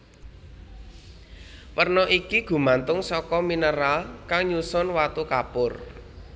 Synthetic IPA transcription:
wərnɔʔikiɡ̥ṳmant̪ʊŋsɔkɔminəɾalkaŋɲusʊnwat̪ukapʊr

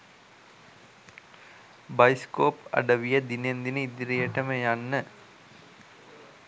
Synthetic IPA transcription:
bajskoːpɐ̰ɖəʋijəd̪inend̪inəid̪iɾijəʈəməjanːə

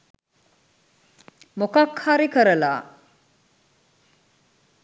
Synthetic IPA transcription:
mokakhaɾikəɾəla̰ː

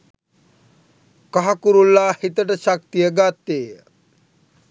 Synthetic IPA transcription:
kaɦakuɾulːahit̪əʈəʃak̚t̪ijəɡat̪ːeː

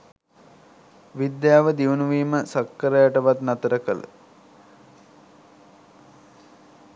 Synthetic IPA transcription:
ʋid̪jaːʋəd̪iʋunuʋiːməsakːəɾəjaʈəʋat̪nat̪əɾəkələ̰

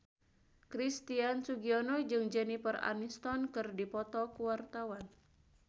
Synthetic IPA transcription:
kɾist̪iansuɡiɔnɔd͡ʒɨŋd͡ʒənipəra̰nist̪ɔnkɨrdipɔt̪ɔkuwart̪awan

